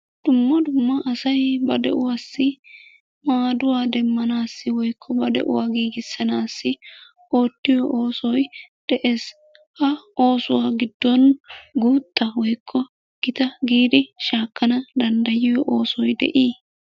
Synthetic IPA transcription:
d̪̥ʊmːɐd̪ʊmːɐʔːsɐjbɐd̪ɛ̰ʔʊwaːsːɪ | maːd̪ʊwaːd̪ɛmːɐnaːsːɪwɔjkʰːɔbɐd̪ɛ̰ʔʊ̰waːɡiːɡɪsːɐnaːsːɪ | o̞ːt̪ːɪjɔʔo̞ːsɔjd̪̥ɛʔeːs | hɐo̞ːsʊwaːɡɪd̪ːɔnɡuːt̪ʼːɐwɔjkʰːɔ | ɡ̥ɪt̪ɐɡiːd̪ɪʃaːkːɐnɐd̪ɐnd̪ɐjɪjɔʔoːsɔjd̪ɛ̰ʔiː

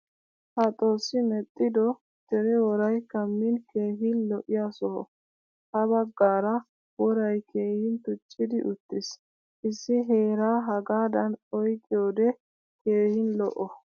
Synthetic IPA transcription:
hɐt̪ʼo̞ːsɪmɛt̪ʼːɪd̪ɔ | d̪̥ɛɾɛwɔɾɐjkɐmːɪnkeːɦɪnlɔʔɪjaːsɔhɔ̰ | hɐbɐɡːaːɾɐ | wɔɾɐjkʰe̞ːhɪnt̪ʊt͡ʃʼːɪd̪ɪʔʊt̪ːɪs | ʔɪsːɪɦe̞ːɾaːɦɐɡaːd̪ɐnɔjkʼːɪjoːd̪ɛ | ke̞ːhɪnlɔ̰ʔɔ

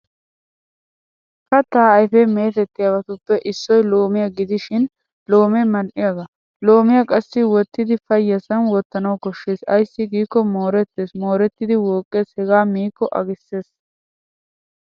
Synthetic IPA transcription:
kɐt̪ːaːɐjfɛme̞ːt̪ɛt̪ːɪjɐwɐt̪ʊpːɛʔɪsːɔjlo̞ːmɪjɐɡɪd̪ɪʃɪn | lo̞ːmɛmɐnʔɪjɐɡɐ | loːmɪjɐkʼɐsːɪwɔt̪ːɪd̪ɪfɐjːɐsɐnwɔt̪ːɐnɐwkɔʃːeːsɐjsːɪɡiːkːɔmoːɾɛt̪ːeːsmoːɾɛt̪ːɪd̪ɪwo̞ːkʼːeːshɛɡaːmiːkːɔʔɐ̰ɡɪsːeːs

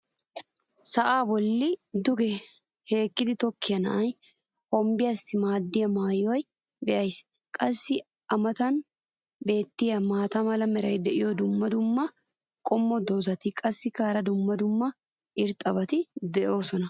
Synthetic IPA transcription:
sɐʔaːbɔlːɪd̪ʊɡɛ | he̞ːkːɪd̪ɪt̪ɔkːɪjɐnɐ̰ʔɐj | hɔmbɪjasːɪmaːd̪ːɪjɐmaːjɔj | bɛʔɐjs | kʼɐsːɪ | ɐmɐt̪ɐn | be̞ːt̪ːɪjɐmaːt̪ɐmɐlɐmɛɾɐjd̪ɛʔɪjɔd̪ʊmːɐd̪ʊmːɐ | kʼɔmːɔd̪oːzɐt̪ɪkʼɐsːɪkaːɾɐd̪ʊmːɐd̪ʊmːɐ | ʔɪɾt̪ʼɐbɐt̪ɪd̪ɛʔo̞ːsɔnɐ

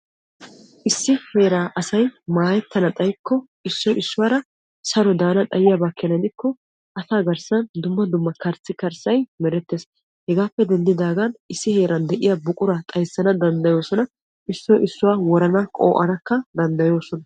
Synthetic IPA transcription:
ʔɪsːɪhe̞ːɾaːʔɐsɐjmaːjɛt̪ːɐnɐt̪ʼɐjkːɔ | ɪsːɔʔɪsːʊwaːɾɐ | sɐɾɔd̪aːnɐt̪ʼɐjɪjabɐkːɐnɐd̪ɪkːɔ | ʔɐsaːɡɐɾsɐnd̪ʊmːɐd̪ʊmːɐkɐɾt͡sːɪkɐɾsɐjmɛɾɛt̪ːeːs | hɛɡaːpːɛd̪ɛnd̪ɪd̪aːɡɐnɪsːɪhe̞ːɾɐnd̪ɛʔɪjɐbʊkʼʊɾɐt̪ʼɐjsːɐnɐd̪ɐnd̪ɐjo̞ːsɔnɐ | ɪsːɔʔɪsːʊwaːwɔɾɐnɐkʼo̰ːʔɐ̰nɐkːɐd̪ɐnd̪ɐjo̞ːsɔnɐ

